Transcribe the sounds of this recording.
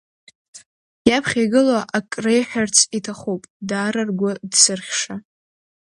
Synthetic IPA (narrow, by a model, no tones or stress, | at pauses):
japʰχʲaɡɨlaʔakʼrejħᶣart͡sʰitʰaχupʼdaːɾarɡʷʊdsɨrχʲʂa